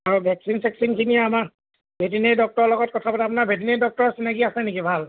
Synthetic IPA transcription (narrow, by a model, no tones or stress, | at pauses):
aɹubʱɛksinsɛksinkinijaamaɹ | bʱetinedɔk̚tɔɹɔlɔɡɔt̚kɔtʰapatɛap̬unabʱetinedɔk̚tɔɹɔsinakiasɛnikibʱal